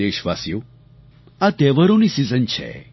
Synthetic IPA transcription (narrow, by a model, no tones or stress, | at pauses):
eʃʋa̰sjo | at̪ɛʋəɾonisizənt͡ʃʰḛ